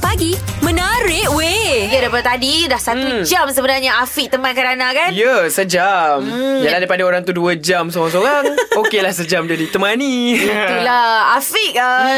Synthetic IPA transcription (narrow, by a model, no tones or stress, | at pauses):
paɡimə̃naɾɪʔwejadapadat̪adidahsat̪ud͡ʒamsəbənarɲaafiʔ̚t̪əmãnkaɾanakanjəsəd͡ʒamjaladajpadaoɾaŋt̪uduad͡ʒamsoɣaŋs̬oɾaŋokelahsəd͡ʒamdiadit̪əmaniulaafiʔ̚ə